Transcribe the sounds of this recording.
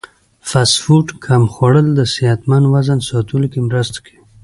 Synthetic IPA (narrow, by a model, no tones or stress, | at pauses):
fasfuʈkʰamxwaɽəld̪əsiat̪manwazansɑt̪ulkimɾəst̪ḁkʰe̥